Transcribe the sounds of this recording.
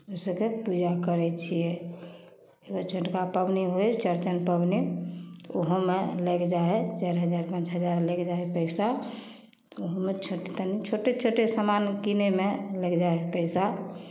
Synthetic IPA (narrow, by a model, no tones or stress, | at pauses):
osəkepud͡ʒakəɾɛt͡ʃʰijɛ | eɡot͡ʃʰəʈkapəbniɦojt͡ʃəɾt͡ʃənpəbni | oɦomeləkd͡ʒaɛt͡ʃaɾɦəd͡ʒaɾpãnt͡ʃɦəd͡ʒaɾlekd͡ʒaepəɪsa | oɦomet͡ʃʰoʈet̪ənit͡ʃʰoʈet͡ʃʰoʈesəmankinemeləkd͡ʒaepəɪsa